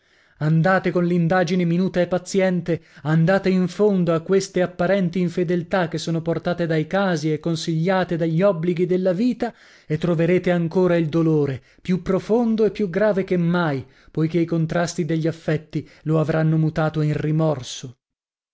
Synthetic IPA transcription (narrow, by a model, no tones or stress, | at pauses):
and̪aːt̪ekonlind̪aːd͡ʒineminuːt̪aepːat̪sːjɛnt̪eand̪aːt̪eiɱfond̪oakːwest̪eapːaɾɛnt̪iːɱfed̪elt̪ak̟ːesːoːnoport̪aːt̪ed̪ajkaːziekːonsiʎːaːt̪ed̪aʎːɔbːliɡid̪elːaviːt̪a | et̪ːɾoveɾeːt̪eaŋkoːɾaild̪oloːɾe | pjupːɾofond̪oepːjuɡɾaːvek̟emːaj | pojkeikont̪ɾast̪id̪eʎːiafːɛt̪ːiloavɾanːomut̪aːt̪oinrimɔrso